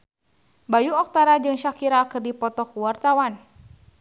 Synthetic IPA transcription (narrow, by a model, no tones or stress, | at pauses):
bajuɔk̚t̪aɾad͡ʒɨŋʃakiɾaːkərdipɔt̪ɔkuwart̪awan